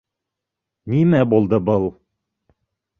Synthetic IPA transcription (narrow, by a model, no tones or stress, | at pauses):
nimæbulˠd̪ɤbɤlˠ